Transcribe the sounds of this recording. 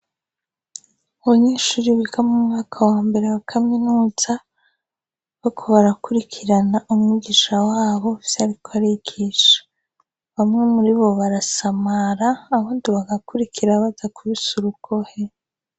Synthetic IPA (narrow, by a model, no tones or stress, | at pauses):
uβaɲeːʃuːɾiβiɡamumŋaːkʰawaːmbe̞ɾewakʰaminuːza | βakʰoβaɾakuɾikʰiɾanaʔumŋiɡiʃawaːβo̞fsaɾikʰoaɾikiʃḁ | βamŋe̞muɾiβo̞βaɾasamaɾaːβaːndiβaɡakuɾikʰiɾaβazakuβisuɾukʰohe